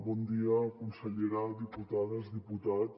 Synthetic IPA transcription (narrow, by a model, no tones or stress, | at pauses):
bɔnd̪iəkunsəʎeɾad̪iput̪aðəzðiput̪at